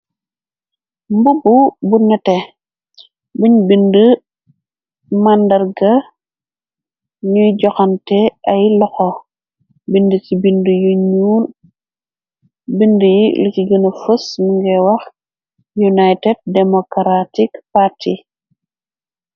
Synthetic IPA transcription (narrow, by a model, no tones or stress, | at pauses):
mbububunːɐtɛ | buɲbində | mandɐɾɡɐ | ɲujɟɔxɐntɛɐjlɔxɔ | bindətibindəjuɲun | bindəjilikiɡənɐfəsnuŋɡɛwɐx | junajtɛd̚dɛmɔkɾatikpati